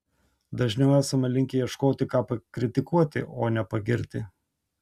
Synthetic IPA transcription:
d̪ɐʒʲnʲɛʊæːsɐmɐlʲɪŋʲkʲɛjiɛʃkoːt̪ʲɪkɑːpɐkɾʲɪt̪ʲɪkuɔt̪ʲɪ̰ʔoːnʲɛpɐɡʲɪɾʲt̪ʲɪ

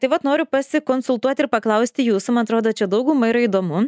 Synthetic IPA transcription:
t̪ɐɪʋɐt̪noːɾʲʊpɐsʲɪkoːnsʊlˠt̪uɔt̪ʲɪɾpɐklˠɐʊsʲt̪ʲɪjuːsʊmɐnɐt̪ɾoːd̪oːt͡ʃʲɛd̪ɐʊɡuːmɐɪɾɐiːd̪oːmʊ

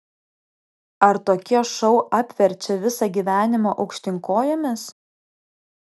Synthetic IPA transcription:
ɐɾt̪oːkʲiɛʃɔʊʔɑːpʲʋʲɛɾʲt͡ʃʲɛʋʲɪsɑɡʲiːʋʲæːnʲɪmoːʔɒʊkʃʲt̪ʲɪŋkoːjomʲɪs

